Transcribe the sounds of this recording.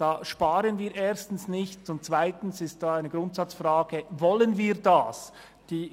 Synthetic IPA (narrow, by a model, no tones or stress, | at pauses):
d̥aːʃpaːɾənviːɾʔeːɐstn̩snɪçtʊnt̚t͡sv̥aɪtn̩sɪst̚d̥aːaɪnəɡ̥ɾʊntsɑt͡sfʁaːɡ̥əvɔlənviːʁdaːs | d̥iː